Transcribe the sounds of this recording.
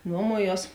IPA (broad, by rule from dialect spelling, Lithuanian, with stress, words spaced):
ˈnuɔmuɔˌjuɔs